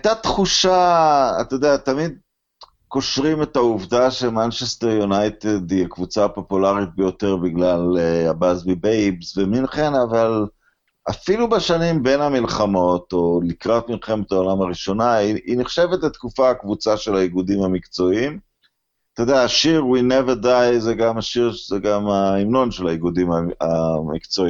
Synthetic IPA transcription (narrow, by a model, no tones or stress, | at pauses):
aajt̪at̪χuʃaa̰t̪od̪eat̪amid̪̚ | ko̞ʃʁime̞t̪auvdaʃemant͡ʃest̪eʁjunajt̪ed̪iakvut͡sapo̞pulaʁit̪̚bejo̞t̪eʁbiɡlaleabazbibejbsveminχenaval | afilubeʃanimbenamilχamo̞t̪o̞likʁat̪milχemet̪aolamaʁiʃo̞naiiniχʃevet̪let̪kufaakvut͡saʃe̞laiɡud̪imamikt͡so̞im | t̪od̪eaːʃiʁwineveʁd̪ajzeɡamaʃiʁzeɡamaimno̞nʃelaiɡud̪imaamikt͡so̞i